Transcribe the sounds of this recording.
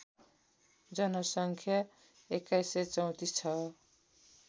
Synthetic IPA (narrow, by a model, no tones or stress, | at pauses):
d͡zʌnʌsʌŋkʰja | ekːajset͡sʌw̃t̪ist͡sʰʌ